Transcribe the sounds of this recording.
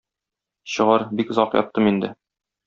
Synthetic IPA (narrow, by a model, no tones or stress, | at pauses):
ɕɤ̆ʁɑɾbikzɒqjɒ̰t̪ːɤmind̪ɘ̰